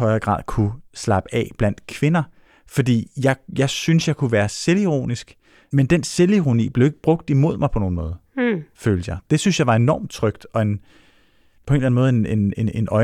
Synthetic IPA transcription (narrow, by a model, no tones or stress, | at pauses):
ɒ̽ɪɐɡ̥ʁɑ̰̈ːð̰ˠkʰuslɑ̈b̥əɛ̰b̥læn̰d̥kʰʋe̝nɐ | fɒ̽d̥ḭːjɑ̈ɪjɑ̈ɪsynsjɑɪkʰuʋæːɐseliʁo̝̰nisɡ̥ | mend̥enseliʁo̝nḭːb̥le̝ʊe̝ɡ̥ə̥b̥ʁɔ̽ɡ̥̚d̥imo̝ð̞̰ˠmɑ̈ɪpʰɒno̝ːn̩mɔ̽ːð̞ˠføːld̥əjɑ̈ɪd̥e̝synsjɑ̈ɪʋɑ̈e̝nɒ̰ːm̥̚t͡sʰʁœɡ̥̚d̥ɒ̽e̝n | pʰɒe̝nlænmɔðˠenenene̝nʔɒ̽